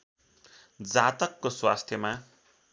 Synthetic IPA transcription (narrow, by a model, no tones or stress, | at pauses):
d͡zat̪ʌkːoswast̪ʰjʌma